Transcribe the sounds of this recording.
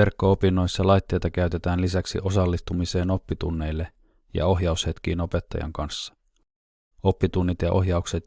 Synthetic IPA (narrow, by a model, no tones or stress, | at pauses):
e̞rkːo̞opinːo̞jsːɑlɑjt̪ːe̞jt̪ɑkæyt̪e̞t̪æːnlisæksḭʔo̞sɑlːist̪umise̞ːno̞pːit̪ṵnːe̞jlːe | jɑ̰o̞ɦjɑushe̞t̪k̟iːno̞pe̞t̪ːɑ̰jɑ̰ŋkɑnsːɑ̥ | o̞pːit̪unːit̪jɑʔo̞̰ɦjɑukset̪